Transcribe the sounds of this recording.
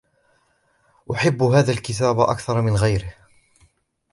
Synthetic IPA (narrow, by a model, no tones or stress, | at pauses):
ʔʊħɪbːɦaːðaːlkɪt̪aːbʔa̰kθɑɾˤmɪnɣajɾɪh